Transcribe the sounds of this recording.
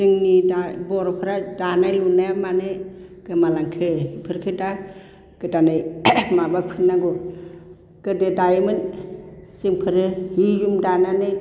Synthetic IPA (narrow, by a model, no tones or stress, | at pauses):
siŋnidabɔɾɔpʰɯɾadanajlunajamanɯj | ɡ̥ɯmalaŋkʰɯhipʰɯɾkʰɯda | ɡ̥ɯdanɯjmabapʰinːaɡɔ | kɯdedajmɯn | siŋpʰɯɾɯhizumdananɯj